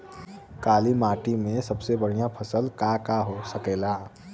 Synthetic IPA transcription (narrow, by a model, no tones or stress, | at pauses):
kaːlimaːʈimẽsəbsebəɽ̤ijãpʰəsəlkakaɦosəkela